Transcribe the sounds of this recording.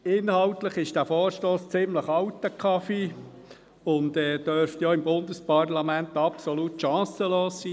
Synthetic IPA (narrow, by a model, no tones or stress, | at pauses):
ɪnhɑʊtləχɪʃd̥æːfoːɾʃtoːst͡sɪmləχɑwt̪əkʰɑfi | ʊndɛːd̥œɾftjoːɪmbʊndəspɑrlɑmænt̪ɑpsolutʃɑ̃ːsəloːssiː